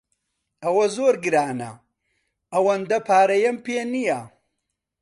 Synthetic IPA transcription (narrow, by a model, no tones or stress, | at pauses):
ɐwɐzoːɾɡɨɾaːnɐ̰ | ɐwɐnd̪ɐpʰaːɾɐjɐmpeːnijɐ